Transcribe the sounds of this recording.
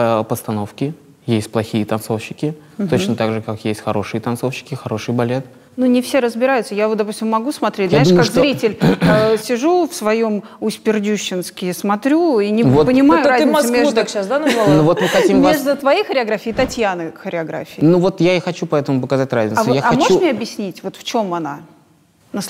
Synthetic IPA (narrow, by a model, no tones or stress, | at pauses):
pəst̪ɐno̞fkʲɪ | jesʲtʲplˠɐxʲijət̪ɐnt̪so̞fɕɪkʲɪ | t̪o̞t͡ɕnnət̪aɡʐɨkakjesʲtʲxɐɾo̞ʂɨjət̪ɐnso̞fɕːɪ̥kʲɪxɐɾo̞ʂɨjbɐlʲet̪̚ | nunʲɪfsʲeɾəzbʲɪɾajʊt̪səjavot̪d̪ɐpusʲtʲɪmːɐɡusmɐt̪ɾʲetʲzjaaɪʂkaʂkzɾʲitʲɪlʲsʲɪʐufsvɐjom | ʊsʲpʲɪrdʲuɕːɪnskʲɪsmɐt̪ɾʲuinʲɪvot̪pənʲɪmajʊɾaznɪtɐsmʲed̪akɕasd̪anɐnovot̪nək̪ɐimmeʐd̪ət̪vɐjejxəɾʲɪɐɡɾafʲɪːt̪ɐtʲjanɨxəɾʲɪɐɡɾa̰fʲɪjɪnuvo̞t̪jaɪxɐt͡ɕupɐɛt̪əmʊpəkɐzat̚ʲra̰zʲnʲɪtvsojaɐmoʂumʲeɐbjɪsʲnʲitʲvo̞t̪ft͡ɕo̞mɐna | nɐs